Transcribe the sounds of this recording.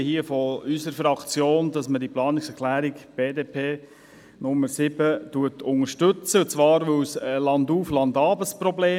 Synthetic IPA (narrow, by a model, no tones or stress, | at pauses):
hiəfɔysəɾfɾɑkt͡sjoːnd̥ɑsmədiplɑːnɪksɛkʰlæːɾikb̥eːdeːpʰeː | nʊmːəɾsɪbətuətʊŋəʃtɵt͡sət͡sʋɑːɾʋɵslɑnduːflɑndɑːbəsprɔbleː